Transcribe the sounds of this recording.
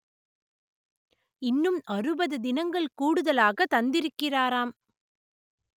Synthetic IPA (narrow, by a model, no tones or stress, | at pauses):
ɪnːɯmɐrɯbɐðɯd̪ɪnɐŋɡɐɭkuːɽɯðɐlaːɣɐt̪ɐnd̪ɪɾɯkːɪraːɾaːm